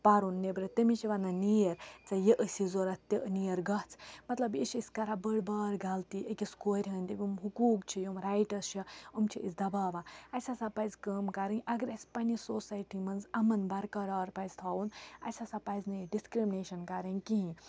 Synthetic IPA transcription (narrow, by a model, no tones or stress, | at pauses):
paɾunːebɾɐt̪ɐmit͡ʃʰiʋanɐnijɐɾt͡sɐjeʔəsizoɾɐt̪ʲːɐʔnijɐɾɡɐht͡sʰmɐt̪lɐbit͡ʃʰisʲkɐɾabəɽbaːɾɡalt̪iʔekʲiskoːɾʲɦɐnʲt̪ɐbʲiumɦukuːkt͡ʃʰijomɾajʈɐst͡ʃʰɐɐmt͡ʃʰiʔḭsd̪ɐbaːʋaɐsʲasapɐjzkəːmkɐɾɨnʲʔɐɡɐɾɐsʲpɐnʲisoːsajʈimɐnzɐmɐnbɐɾkɐɾaːɾpɐjzʲt̪ʰaːunɐ̰sʲasapɐjznɐjɖiskɾimineːʃɐnkaɾɐnʲkiɦĩ